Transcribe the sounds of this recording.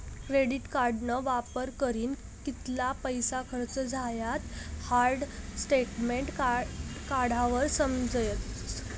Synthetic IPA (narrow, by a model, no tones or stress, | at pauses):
kɾeɽiʈkaɾɖnəʋapəɾkəɾiːn | kit̪lapəjsakʰəɾt͡səd͡zʱajat̪haɾɖsʈeʈmeɳʈkkaɽ̤ʱaʋəɾsəmd͡zjət̪